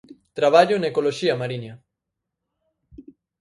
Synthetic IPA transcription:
t̪ɾaβ̞aʎonaekoloʃiamaɾiɲa

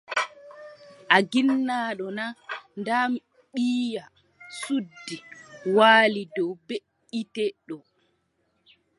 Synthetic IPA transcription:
ʔaɡinːaːɗɔnandam | ɓiːja | sudːiwaːlidɔwbe | itɛɗɔ

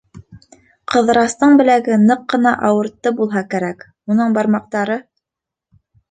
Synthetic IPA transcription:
qɤ̆ðɤ̆ɾɑst̪ɤɴbɘ̆læɡɘnɤqːɤ̆nɑʔɑwɤ̆ɾt̪ːɤbulˠɦɑkæɾæk | unɤɴbɑɾmɑq̚t̪ɑɾɤ

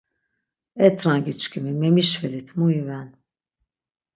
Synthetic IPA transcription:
ɛt̪ʰɾaŋɡit͡ʃkʰimimɛmiʃfɛlit̪ʰmuivɛn

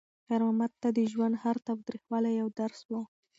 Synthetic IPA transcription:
xaɾɑmat̪ːad̪əʒwand̪haɾt̪awd̪ɾixwɑlajawd̪aɾswu

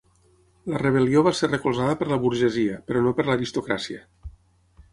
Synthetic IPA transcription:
lərəβ̞əlioβ̞aserəkulˠzaðəpəɾləβuɾʒəziəpəɾɔnopəɾləɾist̪ukɾasiə

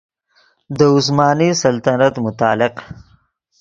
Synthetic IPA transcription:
d̪əʊs̬mɑːnisɐlt̪anat̪mʊt̪ɑːlɪq

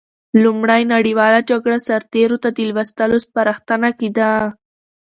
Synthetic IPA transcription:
lumɽajnaɽiwɑlad͡ʒaɡɽasaɾt̪eɾot̪ad̪ilwast̪əlospaɾaxt̪anakid̪a

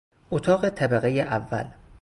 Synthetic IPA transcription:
ʔot̪ʰɒːɣet̪ʰæbæɣejeʔævːæ̰l

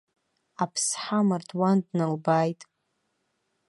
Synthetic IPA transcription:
apʰsħamardwandnalbaːjtʼ

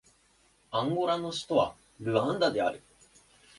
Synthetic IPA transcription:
ãŋɡo̞ɾano̞ɕi̥t̪o̞βa̰ | ɾɯ̟ãnd̪ad̪e̞aɾɯ̟

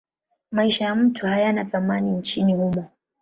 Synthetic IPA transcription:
maiʃajam̩tʰuhajanaθamanint͡ʃinihumɔ

